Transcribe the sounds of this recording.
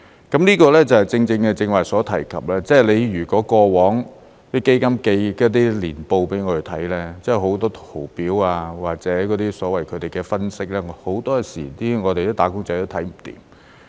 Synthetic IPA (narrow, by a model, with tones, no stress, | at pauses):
kɐ˨˥mniː˥kɔː˧lɛ˥t͡sɐ˨˩whɐ˨jt͡sɪ˧ŋt͡sɪ˧ŋkɛ˧t͡sɪ˧ŋwaː˨˩jsɔː˨˥t̪ʰɐ˨˩jkʰɐ˨p̚lɛː˥t͡sɛː˥˩le˨˧jɥyː˨˩kɔː˨˥kɔː˧wɔː˨˥ŋ | t̪i˥ke˥jkɐ˥mke˧jkɔ˥t̪̬iː˥liː˨˩npo˧wpe˨˥jŋɔ˨˧tɵ˨˧˩t̪ʰɐ˨˥jlɛː˥t͡sɛ˥˩ɦo˨˥wt̪ɔː˥t̪ʰo˨˩wpiː˨˥waː˧waː˨k̚t͡sɛː˨˥kɔː˨˥t̪iː˥sɔː˨˥wɐ˨jkʰɵ˨˧t̪e˨jkɛː˧fɐ˥nsɪ˥k̚lɛː˥ŋho˨˥wt̪ɔː˥siː˨˩t̪iː˥ŋɔː˨˧t̪e˨jt̪oː˥t̪aː˨˥kʊ˥ŋt͡sɐ˧jt̪o˥wt̪ʰɐ˨˥jm̩˨˩t̪ḭː˨m